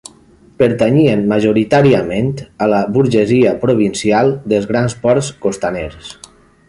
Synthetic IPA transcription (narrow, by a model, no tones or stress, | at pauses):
pəɾt̪aɲienmaʒoɾit̪aɾiamẽnt̪ələbuɾʒeziəpɾoβinsialˠd̪əlˠzɣɾanspɔɾskost̪aneɾs